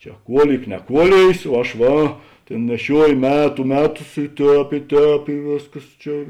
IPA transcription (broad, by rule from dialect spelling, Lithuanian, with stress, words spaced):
ˈt͡ʃʲɛ ˈkuɔˌlʲiːk nʲɛˈkuɔlʲeːjeːs oː ˈɐʃ ˈʋɐ ˈtʲeːn nʲɛˈʃʲuɔjoː ˈmʲæːtʊ ˈmʲæːˌtʊs ɪ ˈtʲɛːp ɪ ˈtʲɛːp ɪ ˈʋʲeːsˌkɐs ˈt͡ʃʲɛ